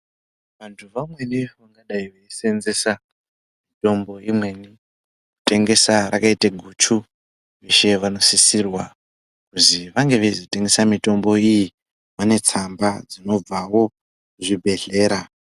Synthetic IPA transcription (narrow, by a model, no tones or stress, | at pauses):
ʋantʰuʋamwe̞niʋaŋɡaɗaiʋeise̞nze̞sa | mito̞mbo̞imwe̞ni | ku̥te̞ŋɡe̞saɾʔakaiteɡʱut͡ʃʰu | ʋeʃe̞ʋano̞sisirwa | kuziʋaŋɡe̞ʋezite̞ŋɡe̞samito̞mbo̞iji | ʋane̞t͡sambad͡zino̞b͡vawo̞ | kuʐibʱe̞ɮe̞ːɾa